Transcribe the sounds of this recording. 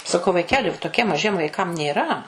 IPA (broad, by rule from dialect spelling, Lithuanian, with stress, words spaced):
sɐˈkɐʊ ʋɐɪˈkʲæːlʲɪ toːˈkʲiɛm mɐˈʒʲiɛm ʋɐɪˈkɐm nʲeːˈrɐ